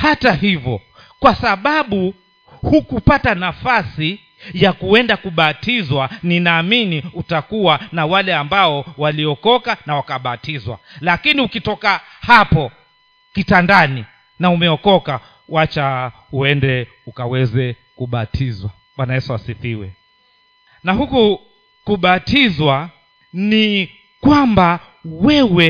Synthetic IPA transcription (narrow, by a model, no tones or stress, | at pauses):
hatahivjɔ | kwasaɓaɓu | hukupatanafasi | jakuɛndakuɓatizwaninaːminiutakuwanawalɛambaɔwaliɔkɔkanawakaɓatizwa̰lakiniukitɔka | hapɔ | kitandani | naumɛɔkɔka | wat͡ʃauɛndɛ | ukawɛzɛ | kuɓatʰizwa | ɓwanajɛsuasiθiwɛ | nahuku | kuɓatizwa | ni | kwamba | wɛwɛ